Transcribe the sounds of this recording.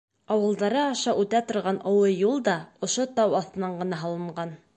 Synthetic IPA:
ɑwɤ̆lˠd̪ɑɾɤɑʃɑʔʉt̪æt̪ŏɾʁɑnʔŏwɤjulˠd̪ɑŏʃot̪ɑwɑθt̪ɤ̆nɑɴɢɤ̆nɑɦɑlˠɤ̆ɴɢɑn

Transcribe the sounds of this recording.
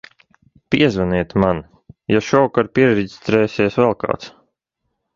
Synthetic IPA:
piɛzvaniɛt̪ʲman | jaʃɔwkaɾpiɛɾɛdi̥st̪ɾɛːsʲiɛsvɛlˠka̰ːt̪s

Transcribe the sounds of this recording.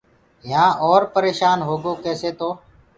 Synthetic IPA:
jãːʔɔːɾpəɾeːʃaːnɦoːɡoːkɛːseːt̪oː

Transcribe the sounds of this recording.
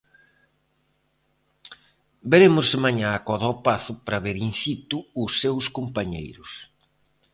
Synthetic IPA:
beɾemʊsɪmaɲaːkɔðɔpaθʊpɾɐβeɾinsit̪ʊːsːewskompaɲḛjɾʊs

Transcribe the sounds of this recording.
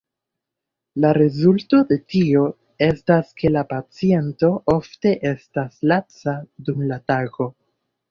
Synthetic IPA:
laɾe̞zulto̞de̞tio̞ | e̞staske̞lapat͡sie̞nto̞ʔo̞fte̞ʔe̞staslat͡sadumlataɡo̞

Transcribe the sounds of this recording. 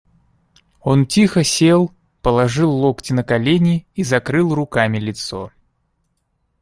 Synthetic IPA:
o̞ntʲixəsʲelˠ | pəlˠɐʐɨlˠːoktʲɪnəkɐlʲenʲɪizɐkɾɨlˠrʊkamʲɪlʲɪt̪so̞̰

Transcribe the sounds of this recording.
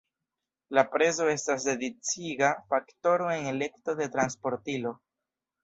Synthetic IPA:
lapɾe̞zo̞e̞stas̬de̞dit͡siɡafakto̞ɾo̞e̞ŋe̞le̞kto̞de̞tɾanspo̞ɾtilo̞

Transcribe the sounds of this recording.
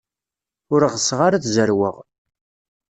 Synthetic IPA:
ʊɾʁəsʁaɾaθzəɾwə̰ʁ

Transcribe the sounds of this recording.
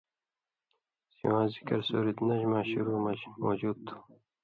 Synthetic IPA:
sḭãːzikɐɾsoːɾit̪nɐʑmaːɕuɾuːmamoːd͡ʑuːd̪̚t̪ʰːu̥

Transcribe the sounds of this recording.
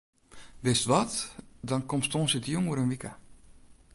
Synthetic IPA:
dɪstʋɔtdɔnkomstõːnsətjuŋwəɾənʋika

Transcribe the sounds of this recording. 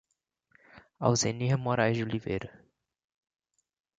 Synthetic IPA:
a̰wzeniɐmoɾajzd͡ʒɪulivḛjɾɐ

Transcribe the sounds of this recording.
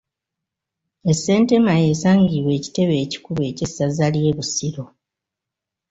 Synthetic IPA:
e̞sːe̞ːnte̞maje̞ːsaːɲɡiwe̞ːci̥te̞βe̞ːci̥kuβe̞ːcesazalje̞βusiɾo̞

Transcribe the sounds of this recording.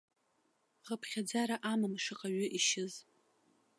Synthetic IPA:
χəpʰχʲad͡zaɾaʔamɨmʂɨqʼaɥʏʔiʃɪz

